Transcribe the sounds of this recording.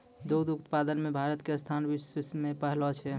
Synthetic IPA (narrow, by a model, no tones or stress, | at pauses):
d̪oɡd̪ut̪pad̪ənmebʱaɾət̪kest̪ʰanbissmepəɦlɔt͡ʃʰɛ